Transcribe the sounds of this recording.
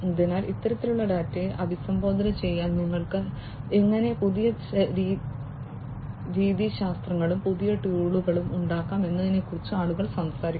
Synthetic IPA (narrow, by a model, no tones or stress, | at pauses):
d̪inaːlit̪ːɐɾɐt̪ːiluɭːɐɖaːtːeʔɐbʱisɐmbo̞ːd̪ɐɾɐt͡ɕe̞jːaːnniŋːɐɭkɨ | eŋːɐne̞puðijɐɾ | ɾiːðiɕaːst̪rɐŋːɐɭumpuðijɐʈuːɭuɣɐɭumuɳɖaːkːaːme̞nːɐðinekːurit͡ɕːuaːɭuɣɐɭsɐmsaːɾikː